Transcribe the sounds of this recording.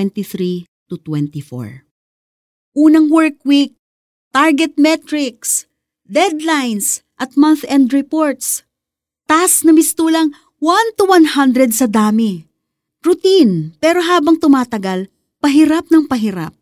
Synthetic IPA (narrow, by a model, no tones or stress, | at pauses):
ɛnt̪iθɾi | t̪ʊt̪wɛnt̪ifo̰ɹ | ʔuːnɐŋwɛɹkwik̚ | t̪aɹɡɛt̪̚mɛt̪ɾɪks | d̪ɛd̪lajns | ʔɐt̪̚manθɛnd̪ɹɛpoɹt̪s | t̪asnɐmɪst̪uːlɐŋ | want̪uwanhand̪ɾɛd̪̚sɐd̪aːmɪ | ɾʊt̪inpɛːɾoɦaːbɐŋt̪ʊmaːt̪ɐɡal | pɐɦiɾap̚nɐŋpɐɦiɾa̰p̚